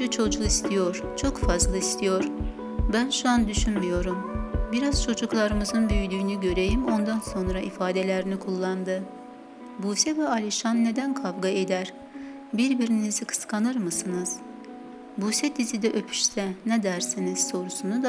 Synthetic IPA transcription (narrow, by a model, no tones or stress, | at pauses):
yt͡ʃʰo̞d͡ʒuist̪ʰijo̞ɾ̥ | t͡ʃʰo̞kfazlˠɯist̪ʰijo̞ɾ | bænʃuand̪yʃynmyjo̞ɾumbiɾaz̥t͡ʃʰo̞d͡ʒuklˠaɾɯmɯzɯnbyjyd̪yːnyɟø̞ɾe̞jimo̞nd̪anso̞nɾaifaːd̪e̞lʲeɾinikʰulˠːand̪ɯ | buːsɛvɛalʲiʃanːe̞d̪ænkʰavɡaed̪æɾ̥ | biɾbiɾinizikʰɯ̥skʰanɯɾmɯsɯnɯz̥ | busɛt̪izid̪ɛʔøpʰy̥ʃsɛnɛd̪æɾsiniz̥so̞ɾusunud̪a